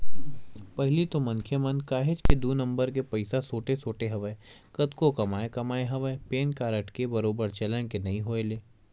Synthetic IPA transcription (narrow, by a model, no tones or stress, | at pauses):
pɐɦlit̪omɐnkʰjemɐnkaːɦed͡ʒked̪uːnɐ̃mbəɾk̬epɐɪsasoːʈesoːʈeɦɐʋəekɐt̪kokɐmaːekɐmaːeɦɐʋəepeːnkaːɾəʈkebɐɾoːbəɾt͡ʃɐləñkenɐĩɦoːeleː